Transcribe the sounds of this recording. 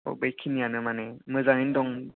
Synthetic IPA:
ɔ̰bejkʰinijanɯmanemɯzaŋindɔŋ

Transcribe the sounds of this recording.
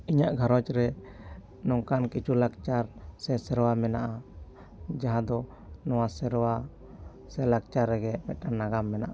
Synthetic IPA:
iɲaʔɡʱaɾɔt͡ʃɾɛ | nɔŋkankit͡ʃulak̚t͡ʃaɾsɛsɛɾwamɛnaʔa | d͡ʒaɦãd̪ɔ | nɔwasɛɾɔwa | sɛlak̚t͡ʃaɾɛɡɛmɛt̪anːaɡamːɛnaʔa

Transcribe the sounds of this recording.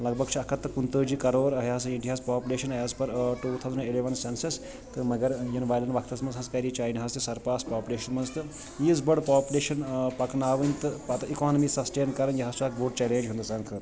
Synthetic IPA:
lɐɡ̚bɐɡt͡ʃʰiɐkʰɐt̪ːɐkunt̪əːd͡ʒiːkɐɾoːɾɐɦjaːsiɳɖiɦaːspaːpʲuleːʃɐnɐjaːspɐɾʈuːt̪ʰawzɐnileʋɐnsensɐs | t̪ɨmɐɡɐɾjɐnʋaːjlɐɳʋɐkʰt̪ɐsmɐnzɦɐskɐɾit͡ʃaːjniɦɐst̪isɐɾpaːspaːpʲuleːʃɐnmɐnzt̪ɨ | jiːzbɐɽpaːpʲuleːʃɐnpɐknaːʋənʲt̪ɨpɐt̪ɐikaːnɐmisɐsʈeːnkɐɾɐnjɐɦast͡ʃuak̚boːɖt͡ʃɛlẽːd͡ʒɦund̪ɐsaːnkʰəːɾ

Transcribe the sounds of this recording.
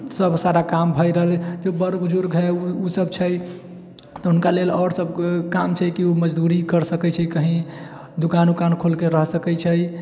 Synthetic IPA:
səbʱsaɾakambʱəjɾəɦəld͡ʒobəɾɡud͡ʒuɾɡɦɛuusəbt͡ʃʰəj | t̪ɔɦunkalelɔːɾsəbʱkamt͡ʃʰɛkiuməd͡ʒd̪uɾikəɾsəkɛt͡ʃʰɛkəɦĩ | d̪ukanukankʰolkeɾəɦsəkɛt͡ʃʰəj

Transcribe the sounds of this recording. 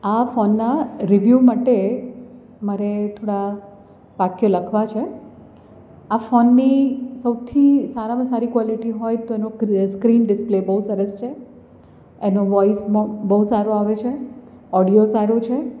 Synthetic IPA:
afɔnːaɾiʋjumaʈe | məɾet̪ʰoɽa | pakjoləkʰʋat͡ʃʰe | afɔnːisəwt̪ʰisaɾaməsaɾikʋɔliʈiɦojt̪oenoskɾinɖɪsplebəɦusəɾəst͡ʃʰe | enoʋɔisbəɦusaɾoaʋet͡ʃʰe | ɔɽijosaɾot͡ʃʰe

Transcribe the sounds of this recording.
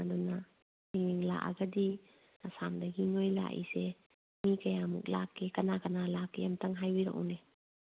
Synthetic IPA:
adɔna | niniŋla̰ʔa̰ɡadi | asamdaɡiŋojla̰ʔḭse | mikɐjamṵk̚lakːekanakanalakːejamtaŋɦajwiɾa̰ʔɔ̰ne

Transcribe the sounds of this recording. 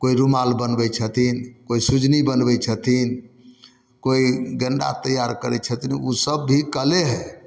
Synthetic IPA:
koiɾumalbənbɛt͡ʃʰət̪ʰinkoisud͡ʒnibənbɛt͡ʃʰət̪ʰin | koiɡəɳɖa̰t̪əjaɾkəɾɛt͡ʃʰət̪iniusəbːʱikəleɦɛ

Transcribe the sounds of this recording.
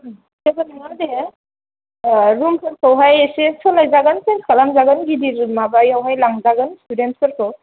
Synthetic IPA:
seɡɯnŋade | ɾumpʰɯɾkʰawɦajesesɔlajzaɡɯnsenkʰalamzaɡɯnɡidiɾumabajawɦajlaŋzaɡɯnstudent̚kʰɯɾkʰɯw

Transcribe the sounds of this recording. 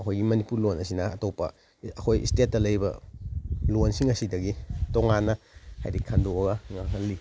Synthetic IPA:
ɐkʰojɡimɐnipuɾlonɐsinɐːtopːɐ̰ | ɐkʰojḭstet̚ːɐlɐjbɐ̰ | lonsiŋɐsidɐɡitoŋanːɐ | ha̰jɾikʰandoɐɡɐŋaŋʰɐlːi

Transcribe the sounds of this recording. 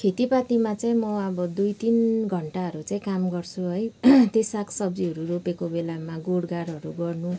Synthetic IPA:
kʰet̪ipat̪imat͡saĩmʌʌbʌd̪ujt̪inɡʱʌɳʈaɦʌɾut͡saĩkamɡʌrt͡sʰuɦʌjt̪esakʰsʌbd͡ziɦʌɾuɾopekobelamaɡoɽɡaɾʌɾuɡʌrnu

